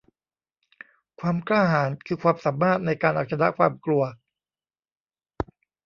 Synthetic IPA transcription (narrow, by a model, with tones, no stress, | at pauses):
kʰwaː˧mklaː˥˩haː˩˦nkʰɯː˧kʰwaː˧msaː˩˦mːaː˥˩t̪̚na˧jkaː˧nʔa˨˩t̪̚sʰa˧na˦˥ʔkʰwaː˧mklu˧ɐ